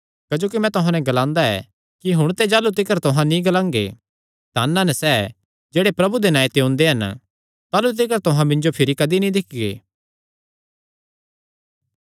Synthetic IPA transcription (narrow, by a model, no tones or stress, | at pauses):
kɐd͡ʒoːkimɛ̃t̪ʊɦãnɛ̃ɡɐlãːnd̪aɛ̰ | kiɦʊɽ̃t̪ed͡ʒaːlut̪ɪkəɾt̪ʊɦãnĩɡɐlãːŋɡḛ | t̪aːnːãnɛsɛː | d͡ʒeːɽepɾɐbud̪enãːet̪eõːnd̪eɦɐn | t̪aːlut̪̬ɪkəɾt̪ʊɦãmɪ̃nd͡ʒopʰɪɾikɐd̪inĩd̪ɪkʰɪɡḛː